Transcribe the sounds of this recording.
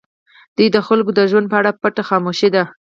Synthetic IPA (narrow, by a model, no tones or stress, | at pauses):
d̪̥ujd̪əxalkod̪əʒwand̪̚pəaɽapaʈaxɑmoʃed̪a